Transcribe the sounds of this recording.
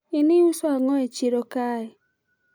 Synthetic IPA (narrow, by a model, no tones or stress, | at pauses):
ɪnɪusɔaŋɔet͡ʃeɾokaɛ